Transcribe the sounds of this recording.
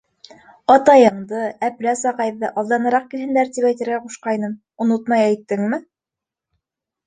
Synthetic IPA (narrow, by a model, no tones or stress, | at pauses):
ɑt̪ɑjɤ̆ɴd̪ɤæplæsɑqɑjðːɤʔɑlˠd̪ɑnɤ̆ɾɑq̚kilhɘ̆nd̪æɾt̪ipæjt̪ɘ̆ɾɡæquʃqɑjnɤm | ŏnot̪̚mɑjæjt̪ːɘŋmɘ